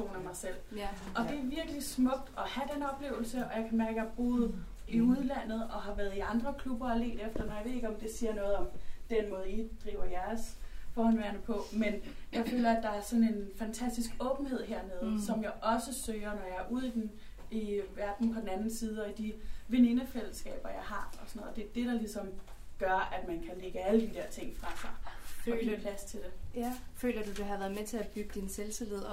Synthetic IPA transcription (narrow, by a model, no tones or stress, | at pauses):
t͡sʰo̝̰ːnæmɑ̈ɪsel̰ʔɒ̽d̥e̝æɐʋiɐɡ̥əlismɔ̽ɡ̥̚d̥ɒ̽hæd̥enɒ̽b̥le̝̰ːʊl̩səʔɒ̽jɑ̈ɪkʰæmæɐɡ̥jəɑɑ̈b̥o̝ːð̞̩ˠ | iuð̞ˠlæn̰ð̞̩ˠɒ̽ɦɑ̈ʋæːɐðˠiɑ̈nd̥ʁɐkʰlub̥ɐɑle̝̰ːd̥efd̥ɐnɒjɑɪe̝ðˠeɡ̥ɒ̽md̥e̝siːɐnɔ̽ːðˠɒ̽md̥en̰mɔ̽ːð̞̩ˠid̥ʁḭːʊɐjæɐsfɒːhɒnʋeɐnəpʰɒ̽menjɑ̈ɪfø̰ːlɐæd̥ɑ̈æɐsɒ̽ne̝nfænt͡sʰæsd̥isɡ̥ɔ̽ːb̥n̩he̝ð̰ˠɦeɐ̰ne̝ðˠsɒ̽mjɑ̈ɪʔɒ̽səsøːɐnɒjɑ̈æɐʔuð̞̰ˠid̥en | iʋæɐd̥n̩pʰɒ̽d̥en̩ænn̩siːð̞ˠəɒ̽id̥iʋe̝nenəfel̰əsɡ̥ɛ̰ːb̥ɐjɑ̈ɪhɑ̈ɒ̽sɒnːð̩ˠd̥e̝æɐd̥e̝ɾ̥ɑ̈lisɒ̽m | ɡ̥ɶɐæd̥mænkʰæleɡ̥əæləd̥id̥æɐ̰t͡sʰe̝ŋ̰fʁɑ̈fɑ̈ɪfɒiløpʰlæst͡sʰe̝d̥e̝fø̰ːlɐd̥ud̥eɦæʋæɐðˠmet͡sʰe̝æb̥yɡ̥əd̥inselsileð̰ˠ